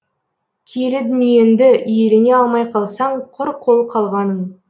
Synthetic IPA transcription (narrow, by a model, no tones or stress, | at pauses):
kʲʰelɪd̪ʏnije̞nd̪ɪʔjelɪne̞ɑlˠmɑjqʰɑlˠsɑɴqʰʊɾqʰo̞lˠqʰɑlˠʁɑnəm